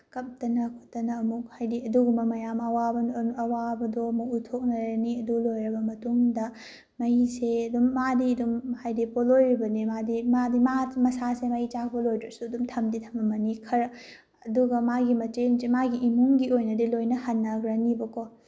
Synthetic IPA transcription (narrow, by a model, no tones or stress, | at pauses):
kɐp̚tɐnɐkʰo̥tːɐnɐːmuk̚hajdiɐduɡumɐmɐjamɐwabɐnɐwabɐdoɐmuk̚utʰok̚nɐɾɐniɐdulojɾɐbɐmɐtuŋdɐ | mɐjiseɐdumːadidumhajdipolojɾibɐnimadimadimamɐsasemɐit͡ʃakʰpɐlojdɾɐsuɐdumtʰɐmditʰɐmɐmɐnikʰɐɾɐ | ɐduɡɐmaɡimɐt͡ʃensemaɡiʔːmuŋɡiojnɐdilojnɐhɐnːɐɡɾɐnibɐko